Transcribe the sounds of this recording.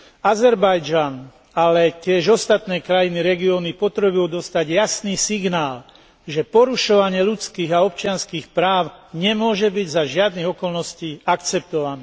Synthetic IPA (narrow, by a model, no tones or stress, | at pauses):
azɛɾbajd͡ʒan | alɛcɪɛʒɔst̪at̪nɛːkɾajiniɾɛɡiɔːnipɔt̪ɾɛbiɔd̪ɔst̪aɟjasniːsiɡnaːl | ʒɛpɔɾuʃɔʋaɲɪɛlut͡skiːɣaɔpt͡ʃɪanskiːxpɾaːʊɲɛmʊɔʒɛbiɟzaʒɪad̪niɣɔkɔlnɔsciːakt͡sɛp̚t̪ɔʋaniː